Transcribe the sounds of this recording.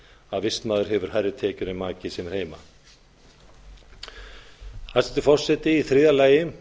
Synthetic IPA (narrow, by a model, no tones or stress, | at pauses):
aðvɪst̪maːðʏɾhɦɛvʏɾ̥hɦajrːɪt̪ʰɛːcʏɾɪmaːcɪsɛmɛɾ̥heːjma̰ | hasɛt̪ʏfɔr̥sɛt̪ɪiθɾɪːðalaːjɪ